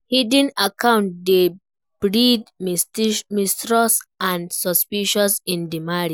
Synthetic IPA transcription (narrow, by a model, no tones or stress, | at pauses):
hidĩnakãʊ̃ntde | b̥ɹidmmistɹɔsãnsɔspiʃɔsĩndimaɾi